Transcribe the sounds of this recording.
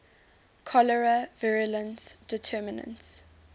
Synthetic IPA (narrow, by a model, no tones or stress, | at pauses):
kʰɔlɛɹəvɪɹələ̃nsd̥ɪtʰɛːmɪnə̰̃ns